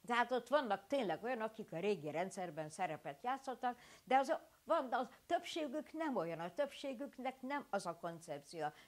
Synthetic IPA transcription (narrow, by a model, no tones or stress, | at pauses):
t̪ɛɦaːt̪o̞t̪ːʋɒnːɒk̚t̪eːnlɛɡo̞jɒnɒkikɒɾeːɡiɾɛnt̪sɛrbɛnsɛɾɛpɛt̪jaːt̪so̞t̪ːɒkd̪ɛɒz | vɒnd̪ɒt̪øpʃeːɡyknɛmo̞jɒnɒt̪øpʃeːɡyknɛknɛmɒzɒko̞nt̪sɛp̚t̪siɒ